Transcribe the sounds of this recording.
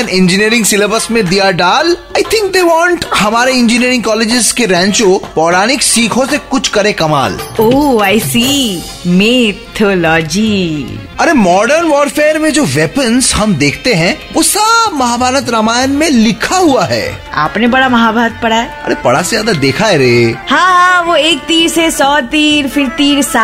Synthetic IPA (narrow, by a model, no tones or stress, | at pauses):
ɛ̃nɪ̃nd͡ʒiniːəɾɪ̃ŋɡsɪləbəsmẽd̪ijaɖaːlaːjt̪ʰɪ̃ŋk̚d̪eːʋɔ̃ːɳʈhɐmaːɾeɪ̃ɲd͡ʒiniːɾɪ̃ŋɡkɔːleːd͡ʒɪskeɾɛ̃ːɲt͡ʃopɔːɾaːnɪksiːkʰõsekʊt͡ʃʰkɐɾẽkɐma̰ːloaːɪsi | met̪ʰoːlɔːd͡ʒi | ɐɾemɔːɖəɾnʋɔːɾfeːəɾmẽd͡ʒoːʋɛːpənzɦɐmd̪eːkʰt̪eɦɛ̃ʋosamɐɦaːbʱaːɾət̪ɾamaːjənmẽlɪkʰaɦuaɦɛ̰ː | a̰ːpnebɐɽamɐɦabʱaːɾət̪̚pɐɽaɛɐ̰ɾepɐɽasezjaːd̪ad̪eːkʰaeɾeːhãːɦãʋoeːk̚t̪iːɾsesɔːt̪iːɾfɪɾt̪iːɾsaː